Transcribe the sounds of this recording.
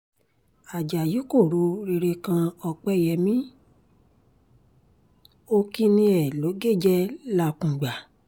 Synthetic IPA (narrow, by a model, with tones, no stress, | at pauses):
a˨d͡ʒa˨ji˨˦ko˦˨ɾu˧˦ɾe˧ɾe˧kã˧ɔ˧k͡pɛ˧jɛ˧˨mĩ˦ | o˦ki˦nĩ˧ɛ˨lo˨˦ɡe˦˨d͡ʒɛ˦la˧kũ˨ɡ͡ba˨